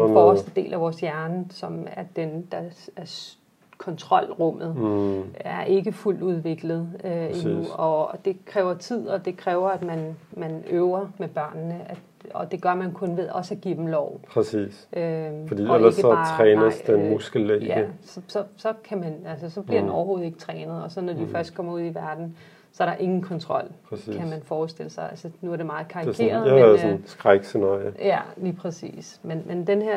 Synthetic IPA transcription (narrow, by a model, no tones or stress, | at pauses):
ɒsd̥əd̥e̝̰ːlʔæʋɒːsjæɐnəsɒ̽mæɐd̥end̥ɑ̈æɐs | kʰɒ̽nt͡sʰʁɒ̽l̰ʁɔ̽m̰ð̩ˠ | æɐʔe̝ɡ̥əful̰d̥uðˠʋe̝ɡ̥ləð̞̩ˠinuɒ̽d̥e̝kʰʁɛːʊɐt͡sʰið̰ˠɒ̽d̥e̝kʰʁɛːʊɐæd̥mænmænøʊɐmeb̥ɶɐ̰nːəʔæ̥ | ɒ̽d̥e̝ɡ̥ɶɐmænkʰɔ̽nʋeðˠɒ̽sæɡ̥ḭd̥emlɒʊ̰pʰʁɛsḭːsøfɒd̥ḭːelɐsɡ̥əɒt͡sʰʁɛːnəsd̥enmusɡ̥l̩ːeɡæəsɒ̽sɒ̽sɒ̽kʰæmænælsəsɒ̽b̥lliɐd̥enɒʊɐɦo̝ːð̞̩ˠe̝ɡ̥ə̥t͡sʰʁɛːnəð̞̩ˠɒ̽sɒ̽nːɒd̥ifɶɐsd̥̚kʰɒ̽m̰ɐuð̞̰ˠiʋæɐd̥n̩ | sɒ̽æɐɾɑ̈ʔe̝ŋn̩kʰɒnt͡sʰʁɒ̽l̰pʰʁɛsḭkːʰæmænfɒːsd̥e̝ləsɑ̈ɪʔælsənuæɐd̥e̝mɑ̈ːð̩ˠkʰɑ̈ikḛːɐɐðˠsɔnsɡ̥ʁaɡ̥senɑ̰̈jijæliːpʰʁɛsḭːsmenmʔend̥enheɐ̰